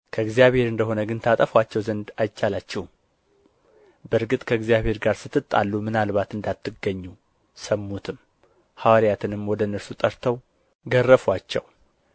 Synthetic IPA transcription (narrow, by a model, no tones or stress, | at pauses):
kʰəɡzijaβhe̞ɾɨnd̪əɦo̞nəɡɨnt̪ʰat̪ʼəfwat͡ʃːɛwzənd̪ajt͡ʃːalat͡ʃːɛh | bəɾɡɨt̪ʼkʰəɡzijaβhe̞ɾɡaɾsɨt̪ːɨt̪ʼːa̰lːumɨnalβat̪ɨnd̪at̪ʰːɨɡːəɲːu | səmːut̪ʰɨm | hawaɾjat̪ʰɨnɨmwɔd̪ənəɾsut̪ʼəɾt̪ʰəw | ɡərːəfwat͡ʃːɛ̰w